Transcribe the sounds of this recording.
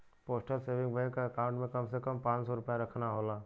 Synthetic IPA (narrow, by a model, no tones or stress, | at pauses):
poːsʈəlseːʋɪ̃ŋɡbɛ̃kaɐkãːʊ̃ɳʈmẽkɐmsekəmpãːt͡ʃsɔɾʊpjaɾɐkʰnaɦoːlaː